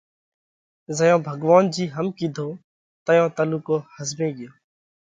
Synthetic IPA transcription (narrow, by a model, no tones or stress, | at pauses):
zəjõːbʱəɡʋaːnd͡ʒiːɦəmkiːd̪ʱoː | t̪əjõːt̪əluːkoːhəzmẽːɡɪjoː